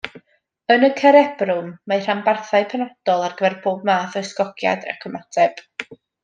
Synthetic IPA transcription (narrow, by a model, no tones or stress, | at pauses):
ənəkʰɛɾɛb̥rʊmːajr̥ambarθaɨpʰɛnad̥ɔlˠarɡəvɛrboːb̚maːθɔjskɔɡja̰da̰kʰəmatʰɛb̥